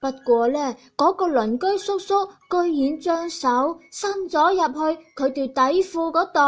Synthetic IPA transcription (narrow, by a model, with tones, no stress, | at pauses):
pɐ˥t̚kʷɔː˧lɛː˥˩kɔː˨˥kɔː˧lɵ˨˩nkɵ˥ɥsʊ˥k̚sʊ˥k̚ːɵ˥ɥjiː˨˧nt͡ʃœː˥ŋsɐ˨˥wsɐ˥nt͡sɔː˨˥jɐ˨p̚hɵ˧ɥkʰɵ˨˧ɥt̪iː˨˧wt̪ɐ˨˥jfuː˧kɔː˨˥t̪o˨